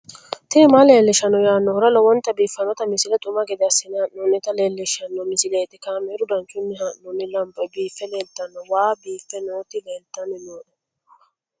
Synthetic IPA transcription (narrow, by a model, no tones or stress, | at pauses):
t̪ɪɪmale̞ːlːɪʃɐnːɔjaːnːɔhʊɾɐlɔwɔnt̪ɐbiːfɐnɔt̪ɐmɪsɪlɛt̪ʼʊmɐɡɛd̪ɛɐsːɪnːɪhɐʔnɔnːɪt̪ɐleːlːɪʃɐnːɔmɪsɪleːt̪ɪkaːmɛɾʊd̪ɐnt͡ʃʊnːɪɦaʔɔnːɪlɐmbɔbiːfːɛleːlt̪ːɐnːɔwaːbiːfːɛnoːt̪ɪleːlt̪ːɐnːɪnoːᶑɛ